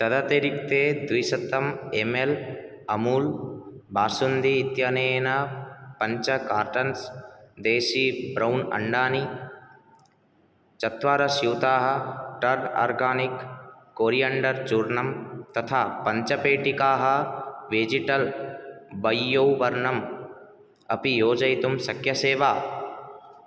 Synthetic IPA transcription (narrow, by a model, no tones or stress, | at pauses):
t̪ɐd̪ɐt̪eɾik̚t̪eːd̪ʋisɐt̪ːɐmemel | ɐmuːlbʱaːsund̪iːt̪jɐneːnɐpɐɲt͡ʃɐkaːɾʈɐnsd̪eːʃibɾɐwnɐ̰ɳɖaːni | t͡ʃɐt̪ʋaːɾɐsjuwt̪aːɦɐ̆ʈɐɾa̰ːɾɡaːnikː | oːɾijɐɳɖɐɾt͡ʃuːɾɳɐmt̪ɐt̪ʰaːpɐɲt͡ʃɐpeːʈikaːɦɐ̆ʋeːd͡ʒiʈɐl | bɐjːowʋɐɾɳɐm | ɐpijoːd͡ʒɐjt̪umsɐkʰjɐseːʋaː